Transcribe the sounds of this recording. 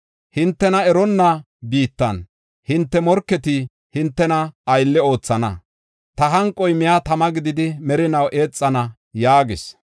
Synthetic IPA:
hɪnt̪ːɛnɐɛɾɔnːɐ | biːt̪ːɐ̰n | hɪnt̪ːɛmɔɾkːɛt̪ɪ | hɪnt̪ːɛnɐːjlːɛo̞ːt͡sːɐnɐ̰ | t̪ɐɦɐŋkʼːɔjmɪjat̪ɐmɐɡɪd̪ɪd̪ɪmɛɾɪnɐwʔe̞ːt͡sʼːɐnɐ | jaːɡɪs

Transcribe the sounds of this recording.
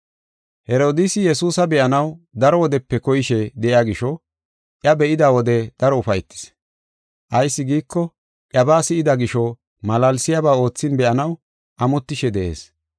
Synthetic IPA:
hɛɾo̞ːd̪ɪsɪjɛsuːsɐbɛʔɐnɐwd̪ɐɾɔwɔd̪ɛpːɛkɔjɪʃɛd̪ɛʔɪaɡɪʃɔ | ʔjɐbɛʔɪd̪aːwɔd̪ɛd̪̥ɐɾɔʊfɐjt̪ːɪ̥s | ʔɐjsːɪɡiːkːɔ | ʔʼɐbaːsɪɪd̪ɐɡɪʃɔ | mɐlɐlsɪjabaːo̞ːt͡sːɪnbɛʔɐnɐw | ʔɐmɔt̪ːɪʃɛd̪ɛʔe̞̰ːs

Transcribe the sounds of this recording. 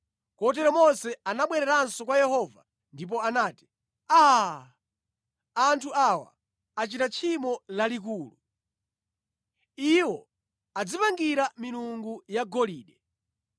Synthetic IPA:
kɔt̬ɛɾɔmɔnsɛanaɓwɛɾɛɾansɔkwajɛhɔva | ndip̬ɔanaːti̥ | a | antʰuawa̰ | at͡ʃitat͡ʃʰimɔlalik̬uːlu | iwɔ | ad͡zipaŋɡiɾamiluŋɡujaɡɔliːɗɛ

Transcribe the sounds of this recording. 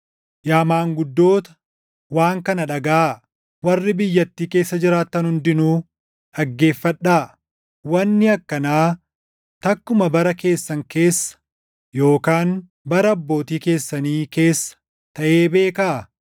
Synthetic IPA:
jaːmaːŋɡʊd̪ːo̞ːt̪ɐ̥ | waːŋkɐnɐᶑɐɡaː | wɐrːɪbɪjːɐt̪ːiːke̞ːsːɐd͡ʒɪɾaːt̪ːɐnhʊnd̪ɪnuː | ᶑɐɡːe̞ːfːɐᶑaː | wɐnːɪɐkːɐnaː | t̪ɐkːʊmɐbɐɾɐke̞ːsːɐŋke̞ːsːɐ̥ | jo̞ːkaːn | bɐɾɐɐbːo̞ːt̪iːke̞ːsːɐniːke̞ːsːɐ̥ | t̪ɐʔe̞ːbe̞ːkaʔ

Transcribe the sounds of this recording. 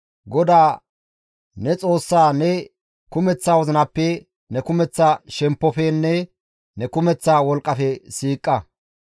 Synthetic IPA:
ɡɔd̪aː | nɛt͡sʼo̞ːsːaːnɛ | kʊmɛt͡sːaːwɔzɪnɐpːɛ | nɛkʊmɛt͡sːaʃɛmpːɔfɛnːɛ | nɛkʊmɛt͡sːaːwɔlkʼːɐfɛsiːkʼːɐ

